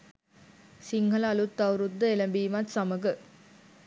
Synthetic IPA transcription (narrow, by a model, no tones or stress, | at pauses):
siŋɡɐlaːlut̪ːɐʋɾud̪ːɐelɐmbiːmat̪sɐmɐɡɯ